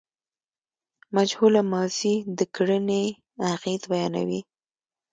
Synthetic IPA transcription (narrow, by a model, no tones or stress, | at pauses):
mad͡ʒhulamɑzid̪əkɽəne | aqid̪bajɑna̰wi